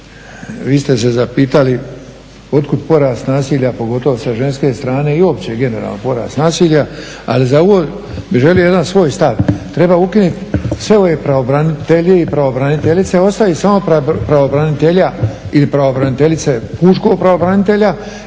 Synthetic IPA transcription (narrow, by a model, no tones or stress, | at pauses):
ʋiːst̪es̬e̞zapiːt̪ali | o̞t̪̚kud̪po̞ɾaːst̪naːsiːʎapo̞ɡot̪o̞ʋosaʒe̞nske̞ːst̪ɾaːne̞iuo̞pt͡ɕeɡe̞ne̞ɾa̰ːlnopo̞ɾa̰ːst̪naːsiːʎʲa | a̰lizao̞ʋoː | biʒe̞lioje̞d̪ansʋo̞ːjst̪aʋt̪ɾe̞baːukinut̪sʋe̞o̞jepɾaobɾanit̪eʎeipɾaobɾanit̪eʎit̪se̞o̞st̪ajisamo̞papɾaobɾanit̪e̞ʎailipɾaobɾanit̪e̞ʎit̪se̞puːʃko̞ɡ̚pɾaobɾanit̪e̞ʎa